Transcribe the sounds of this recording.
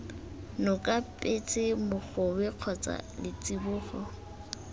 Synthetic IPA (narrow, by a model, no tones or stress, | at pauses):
nʊkʼapʼet͡sʼɪmʊk͡xʊbɪq͡χʰɔt͡sʼa̰lɪt͡sʼibʊːχɔ